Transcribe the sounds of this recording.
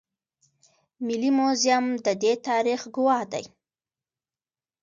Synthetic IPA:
mɪlimozjamd̪əd̪et̪ɑɾixɡʊwɑhd̪a̰j

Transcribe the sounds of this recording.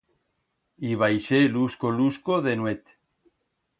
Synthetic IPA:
iβajʃeluskoluskoðenwet̪

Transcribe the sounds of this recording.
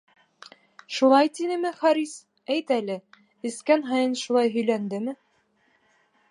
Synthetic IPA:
ʃulˠɑjt̪inɘmɘχɑɾis | æjt̪ælɘ | ɘ̆skænɦɑjɤnʃulˠɑjɦɵ̆jlænd̪ɘmɘ

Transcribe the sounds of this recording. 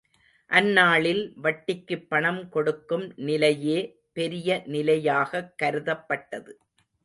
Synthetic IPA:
ʔɐnːaːɭɪlʋɐʈːɪkːɯpːɐɳɐmkɔɽɯkːɯmnɪlɐjeː | pɛɾɪjɐnɪlɐjaːɣɐkːɐɾɯðɐpːɐʈːɐðɯ

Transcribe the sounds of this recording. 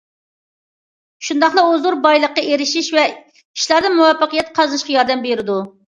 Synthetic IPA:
ʃund̪ɑχlˠɑozuɾbɑjlˠəqːɑeɾɪʃiʃvɛ | i̥ʃlˠɑɾd̪ɨnmuwɑpːəqəjɛt̪̚qʰɑznɨʃqɑjɑɾd̪ɛmbeɾɪd̪u

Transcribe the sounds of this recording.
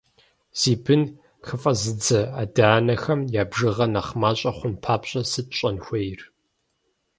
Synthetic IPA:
z̥iːbʰɨn | xɨfʼɐzɨd͡zɐa̰ːdaːnɐxɐmjaːbʒɨʁɐnɐχmaːɕʼɐχʷʊnpʰaːpɕʼɐsɨtɕʷʼɐnxʷɐjr

